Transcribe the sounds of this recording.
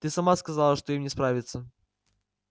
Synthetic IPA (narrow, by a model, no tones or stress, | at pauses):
t̪ɨsɐmaskɐzalˠəʂt̪oimnʲɪspɾavʲɪt̪sə